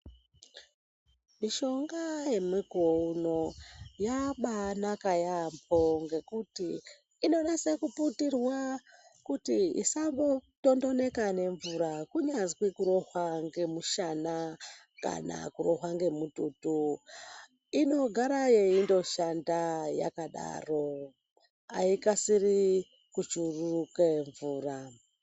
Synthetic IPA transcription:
miʃo̞ŋɡaje̞miɡʱounojaɓanakajampʰo̞ŋɡe̞kutiː | no̞nesekuputirwakutiḭsambo̞to̞ndo̞ne̞kane̞ɱvuɾakuɲazwikuɾo̞ɦwaŋɡe̞muʃana | ka̰na̰kuro̞ɦwaŋɡe̞mututu | ino̞ɡʱaɾajeindo̞ʃandaja̰kaɗa̰ro̞ | a̰ikasiri | kut͡ʃurukeɱvuːra

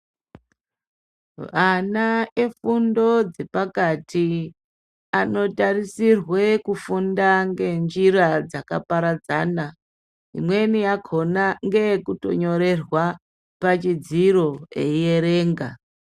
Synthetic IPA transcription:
ʋanae̞fundo̞d͡ze̞pakatʰi | ano̞tarisirwekufundaŋɡe̞nd͡ʒiɾad͡zaka̰paɾad͡zaːna | ḭmwe̞nijakʰo̞naŋɡe̞kuto̞̰ɲo̞ɾe̞rwa | pat͡ʃid͡ziɾo̞e̞̰ije̞ɾe̞ːŋɡa̰

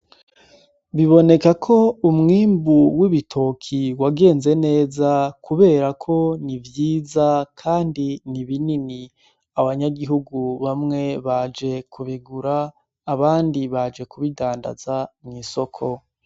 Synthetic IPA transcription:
βiβo̞ne̞kakʰo̞umŋiːmbuwiβitʰo̞kʰiwaɡe̞ːnze̞ne̞ːzakuβe̞ːɾakʰo̞nivjiːzakʰaːndiniβinini | aβaɲaɡiɦuɡuβamŋe̞βad͡ʒe̞kʰuβiɡuɾaː | βaːndiβad͡ʒe̞kuβidaːnda̰zamŋiːso̞kʰo̞

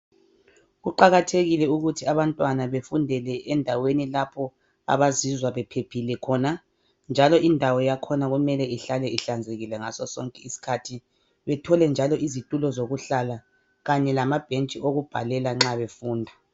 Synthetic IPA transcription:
ɣuǃaɣatʰeɣilɛuɣutʰiaβantʼwanaβefundʱɛlɛʔɛndʱawenilapʰɔ | a̰βazizwaβɛpʰepʰilɛkʰɔna | nd͡ʒʱalɔindʱawɔjakʰɔnaɣumɛlɛiɬalɛʔiɬand͡zʱeɣilɛŋasɔsɔŋkʼɛisi̥kʰatʰi | βɛtʰɔlɛnd͡ʒʱalɔʔizitʼulɔzoɣuɬala | ɣaɲɛlamab̥ʱent͡ʃʼiʔoɣub̥ʱalɛlaŋ͡ǁaβefuːndʱa

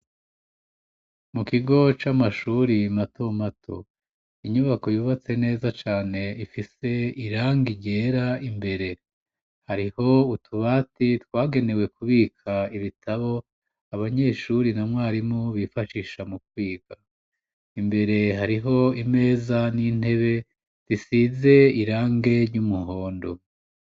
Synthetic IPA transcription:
mukiɡo̞t͡ʃamaʃuːɾimatomatʰo̞̰ | iɲuβako̞juːβat͡se̞ne̞ːzat͡ʃaːne̞ifise̞iɾaːŋɡiɟe̞ːɾaimbe̞ɾe̞ | haɾiho̞utʰuβaːtitwaːɡe̞ne̞we̞kuβiːkʰaiβitʰaβo̞ | aβaɲe̞ːʃuɾinamŋaːɾimoβifaʃiːʃamukwiːɡa | imbe̞ɾe̞ɦaɾiɦo̞ime̞ːzanin̥e̞βe̞ | z̥isize̞iɾaːŋɡe̞ɾɟumuɦo̞ːndo̞

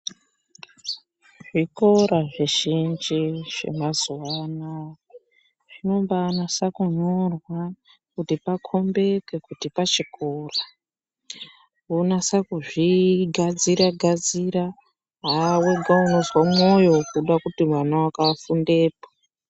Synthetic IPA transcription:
ʐ̥iko̞ɾaʐiʒind͡ʒiʐ̥e̞̰mazuwana | ʐ̥ino̞mbanasakuɲorwa | kutipakʰo̞mbe̞ke̞kutipat͡ʃikora | unasakuʐiɡʱad͡ziɾaɡʱad͡ziɾa | ɦaweɡʱauno̞zwamo̞jo̞kuɗakutimwanawakafunde̞ːpo̥

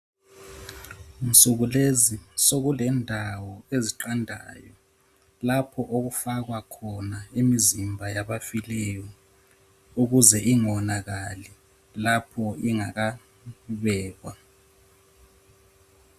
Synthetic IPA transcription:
nsʼuɣulezisoɣulɛndʱawɔeziǃandʱa̰jɔ | lapʰɔʔoɣufaɣwakʰɔnaimizimbʱajaβafilɛjɔ | uɣuzɛʔiŋɔnaɣalɛ | lapʰɔiŋaɣa | βɛːɣwa

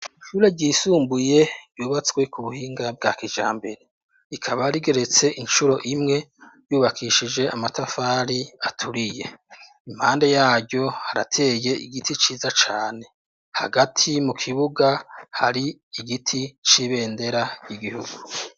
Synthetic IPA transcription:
iʃuːɾe̞ɟiːsuːmbuje̞ɾɟjuːβat͡sɡwe̞kuβuhiːŋɡab̚ɡaːkid͡ʒa̰ːmbe̞̰ɾe̞ | ikʰaβaɾiɡe̞ɾe̞t͡se̞ʔinʃuɾo̞ʔimŋe̞juːβakʰiʃid͡ʒe̞amatafaːɾiatʰuɾije̞ | im̥haːnde̞jaːɟɟo̞haɾa̰tʰe̞ːje̞ʔiɡitʰit͡ʃiːzat͡ʃaːne̞ | ha̰ɡatʰimukʰiβuɡahaɾiiɡitʰit͡ʃiβe̞ːnde̞ɾajiɡihuɡu

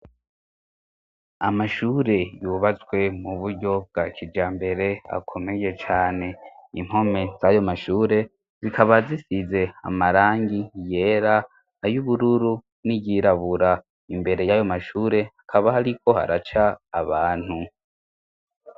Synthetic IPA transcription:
amaʃuːɾe̞juːβat͡swe̞muβuɾɟo̞b̚ɡ̥akʰid͡ʒaːmbe̞ɾe̞a̰kʰo̞me̞je̞t͡ʃaːne̞im̥ho̞me̞zajo̞maʃuːɾe̞ | zikʰaβazisize̞a̰maɾaːŋɡije̞ːɾaː | juβuɾuɾu | niɟiɾaβuɾa | imbe̞ɾe̞jajo̞maʃuːɾe̞hakʰaβahaɾikʰo̞ha̰ɾat͡ʃaːβaːn̥hu

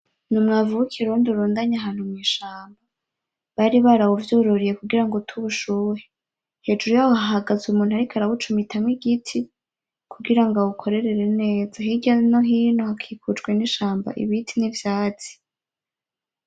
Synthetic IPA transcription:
numŋavuukʰiɾuːnduɾuːndaɲaɦaːn̥humŋiːʃaːmba | βaɾiβaɾawuvjoːɾoɾije̞kuɡiɾaŋɡotʰuβuʃuːɾe | he̞ːd͡ʒuɾujaːwohaɦaɡazumuːn̥uhaɾikʰaɾaβut͡ʃumitʰamwiɡitʰi | kʰuɡiɾaŋɡaukʰo̞ɾe̞ɾe̞ɾe̞ne̞ːzaɦiɟanoɦiːnohakʰiːkʰud͡ʒɡweniʃaːmba̰ʔḭβitʰinivjaːt͡si̥

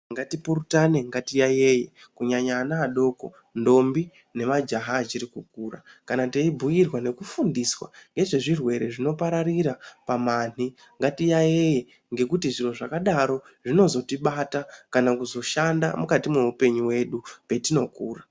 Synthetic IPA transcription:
ŋɡatipuɾutane̞ŋɡatijajeje | kuɲaɲaːnaːɗo̞ko̞̰ | ndo̞mbi | ne̞mad͡ʒaɦaːt͡ʃiɾikukuːra̰kanateibʱujirwane̞kufundiswa̰ŋɡe̞ʐe̞ʐirwe̞ɾe̞ʐino̞paɾariɾapaman̥i | ŋɡatijaje̞je | ŋɡe̞kutiʐinoʐakaɗaɾo̞ | ʐino̞zo̞tiɓatakanakuzo̞ʃanda̰mukatimeupe̞ɲuwe̞ɗupe̞tino̞kuːra

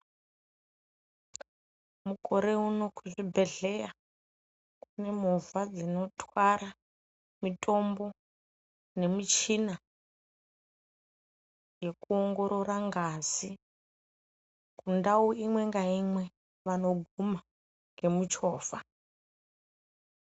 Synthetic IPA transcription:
mukʼo̞ɾe̞uno̞kʰuʐibʱe̞ɮe̞ja | kune̞muvad͡zino̞tʰwaɾa | mitʼo̞mbo̞ | ne̞mit͡ʃina | jɡe̞kuoŋɡo̞ɾo̞raŋɡazi | kundauimwe̞ŋɡaimwe̞ | ʋano̞ɡʱuma | ŋɡe̞mut͡ʃo̞ːfa

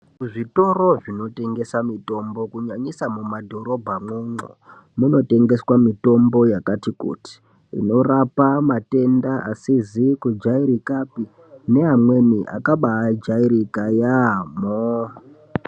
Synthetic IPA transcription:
ʐito̞ɾo̞ʐino̞te̞ŋɡe̞samito̞mbo̞kuɲaɲisamumadʱo̞ɾo̞bʱamuŋ͡ǀo̰ | muno̞te̞ŋɡe̞swamito̞mbo̞jakatikṵːti̥ | ḭno̞rapamate̞ndaʔa̰sizikud͡ʒaiɾikapi | ne̞ɦamwe̞niʔa̰kaɓaːd͡ʒaiɾikajamo

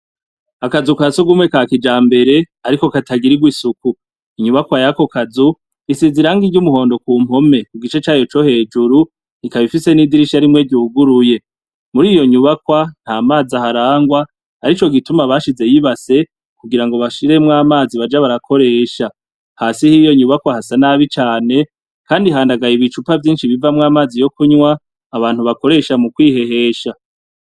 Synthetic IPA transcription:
akazukasuɡumŋe̞kakid͡ʒaːmbe̞ɾe̞ | aɾiko̞kataɡiɾiɡwisuku | iɲuβakwajako̞kazu | isiziɾaːŋɡiɟumuho̞ːndo̞kuːm̥o̞me̞kuɡit͡ʃe̞t͡ʃaːjo̞t͡ʃo̞he̞ːd͡ʒuɾu | ikaβifise̞nidiɾiʃaɾimŋe̞ɟuːɡuɾuje̞ | muɾiːjo̞ɲuβakwan̥haːmaːzahaɾaːŋɡwa | aɾit͡ʃo̞ɡitumaβaːʃize̞jiβase̞ | kuɡiɾaŋɡo̞βaʃiɾe̞mŋaːmaːziβad͡ʒaβaɾakʰo̞ɾe̞ːʃa | hasihijo̞ɲuβakwahasanaβit͡ʃaːne̞ | kaːndiɦaːndaɡajiβit͡ʃupavjiːnʃiβivamŋaːmaːzijo̞kuɲwaː | βaːn̥huβako̞ɾe̞ʃamukwiːhe̞ɦe̞ːʃa

